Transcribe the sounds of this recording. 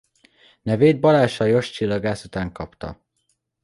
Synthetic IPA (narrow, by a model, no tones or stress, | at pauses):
nɛveːd̪̚bɒlaːʃɒjo̞ʃt͡ʃilːɒɡaːsut̪aːŋkɒpt̪ɒ̰